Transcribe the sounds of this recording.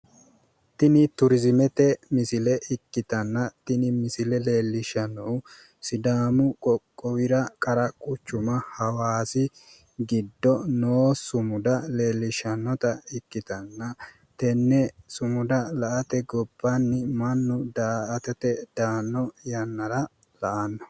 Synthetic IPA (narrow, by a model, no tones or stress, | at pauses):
t̪ɪnɪt̪ʊɾɪzɪmɛt̪ɛmɪsɪlɛʔɪkːɪt̪ɐnːɐt̪ɪnɪmɪsɪlɛle̞ːlːɪʃɐnːɔw | sɪd̪aːmʊkʼɔkʼːɔwɪɾɐkʼɐɾɐkʼʊt͡ʃːʊmɐhɐwaːsɪ | ɡɪd̪ːɔnoːsʊmʊd̪ɐle̞ːlːɪʃɐnːɔt̪ɐɪkːɪt̪ɐnːɐ | t̪ɛnːɛsʊmʊd̪ɐlɐʔɐt̪ɛɡɔbːɐnːɪmɐnːʊd̪aːʔɐt̪ɛt̪ɛd̪̥aːnːɔjɐnːɐɾɐ | lɐʔɐnːɔ̥